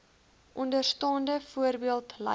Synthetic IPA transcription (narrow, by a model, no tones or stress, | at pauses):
ʔɔndərstɑːndəfuərbiəlˠtlɐ̰